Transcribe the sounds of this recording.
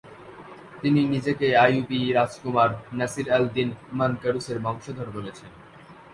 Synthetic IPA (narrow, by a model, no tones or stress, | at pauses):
t̪ininid͡ʑekeajubiɾad͡ʑkumaɾnɛsiɾɛld̪inmankəɾuseɾmɔŋʃod̪ʱoɾbolet͡ɕʰen